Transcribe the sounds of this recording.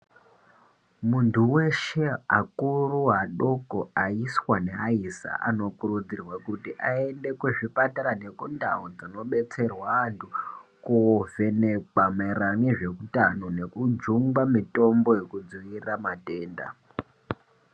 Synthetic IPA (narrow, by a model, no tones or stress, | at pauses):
muntʰuwe̞ʃe̞a̰kuruɦaɗokoaiswane̞aisa̰ʔa̰no̞kuɾud͡zirwakutiʔae̞nde̞kweʐipataɾane̞kunda̰ɦod͡zino̞ɓe̞t͡se̞rwaantʰukuve̞ne̞kameraŋeʐe̞kutano̞ne̞kud͡ʒuŋɡamito̞mbo̞je̞kud͡zʋiramate̞ːnda̰